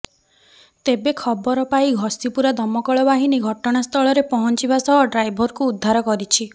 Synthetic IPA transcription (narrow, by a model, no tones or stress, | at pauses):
t̪ebekʰɔbɔɾɔpaiɡʱɔsipuɾad̪ʱɔmɔkɔɭɔbaɦiniɡʱɔʈɔɽ̃ast̪ʰɔɭɔɾepɔɦɔnt͡ʃibasɔɦɔɖɾajbʱɔɾkuːd̪ʱːaɾɔkɔɾit͡ʃʰi